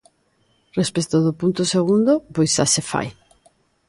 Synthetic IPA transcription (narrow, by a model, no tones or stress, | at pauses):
respest̪oðʊpunt̪ʊseɣ̞und̪ʊpojsasefa̰j